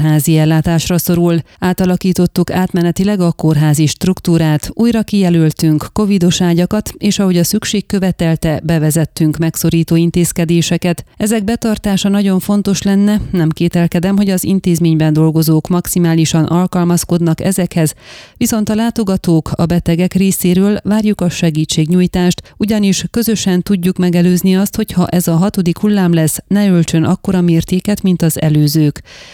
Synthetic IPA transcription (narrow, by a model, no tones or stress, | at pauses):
ɦaːziɛlːaːt̪aːʃrɒso̞ɾul | aːt̪ɒlɒkiːt̪o̞t̪ːukaːt̪mɛnɛt̪ilɛɡɒko̞rɦaːziʃt̪rukt̪uːɾaːt̪uːjrɒkijɛlylt̪yŋkːo̞vid̪o̞ʃaːɟɒkɒt̪eːʃɒɦo̞ɟɒsykʃeːkːø̞vɛt̪ɛlt̪ɛbɛvɛzɛt̪ːyŋkmɛkso̞ɾiːt̪oːint̪eːskɛd̪eːʃɛkɛt̪ɛzɛɡ̚bɛt̪ɒrt̪aːʃɒnɒɟo̞ɱfo̞nt̪o̞ʃlɛnːɛnɛmkeːt̪ɛlkɛd̪ɛmɦo̞ɟɒzḭnt̪eːzmeːɲbɛnd̪o̞lɡo̞zoːkmɒksimaːliʃɒnʔɒlkɒlmɒsko̞d̪nɒkɛ̰zɛkhɛzʋiso̞n̪t̪ɒlaːt̪o̞ɡɒt̪oːkʰɒ̰bɛt̪ɛɡɛkreːseːɾøːlvaːrjukɒʃɛɡiːt͡ʃːeːɡɲuːjt̪aːʃt̪uɟɒniʃkø̞zø̞ʃɛnt̪uɟːukmɛɡɛløːzniɒst̪ho̞chɒʔɛzɒɦɒt̪o̞d̪ikhulːaːmlɛsnɛølt͡ʃø̞nʔɒkːo̞ɾɒmeːrt̪eːkɛt̪mint̪ɒzɛ̰løːzøːk